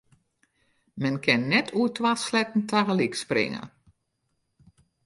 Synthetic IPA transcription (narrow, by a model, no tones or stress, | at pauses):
mɛnkʰɪnːɛtʰuətʰwaslɛtn̩taɣəliksprɪ̰ŋə̰